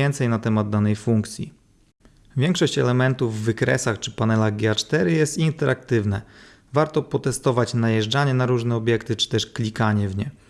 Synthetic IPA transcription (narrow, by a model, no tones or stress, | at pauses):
ɛnt̪sɛjnat̪ɛmad̪̚d̪ːanɛjfuŋkt̪sʲjḭ | vʲjɛŋkʂɔɕt͡ɕɛlɛmɛnt̪uvːɘkɾɛ̰saxt͡ʂɘ̥panɛlaɣɡʲɛat͡ʂt̪ɛɾɘjɛst̪int̪ɛɾʔak̚t̪ɘvnɛ | vaɾt̪ɔpɔt̪ɛst̪ɔvat͡ɕnajɛʐd͡ʐaɲɛnaɾuʐnɛɔbʲjɛkt̪ɘt͡ʂɘ̥t̪ɛʂklʲikaɲɛvɲɛ